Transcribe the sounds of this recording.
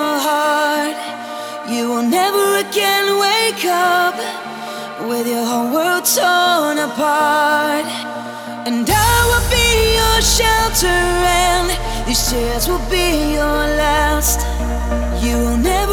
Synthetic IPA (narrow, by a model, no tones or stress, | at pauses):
əɦɑɹt̚ | jɨwɪlˠnɛvə˞ɨɡɛ̃nweɪkʰʌp̚ | wɪðjə˞hoʊwɜ˞dsɔ̃nəpʰɑɹt̚ | ɨ̃nðəwɪlˠbijəʃɛlˠtʰəɨ̃nðɨsɪɨzwɪlˠbijə˞ | læst | jɨwɪlˠnɛv